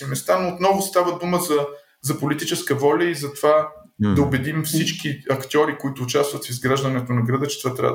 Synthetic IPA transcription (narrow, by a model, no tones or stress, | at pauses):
imɛst̪anoːt̪nɔvʊst̪avəd̪uməzɐ | zɐpolit̪it͡ʃɛskəvɔlʲəizɐt̪ova | d̪ɐʊbɛd̪imfsit͡ʃkiɐkt̪ʲɔɾikoit̪ʊːt͡ʃast̪vɐt̪fizɡɾaʒd̪ɐnɛt̪onɐɡɾɐd̪ət͡ʃɛt̪ovat̪ɾʲa̰və̰